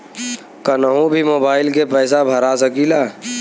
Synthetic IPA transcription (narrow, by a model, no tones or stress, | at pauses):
kənəɦũbʱimoːbaːɪlkepɛːs̬abʱəɾasəkilaː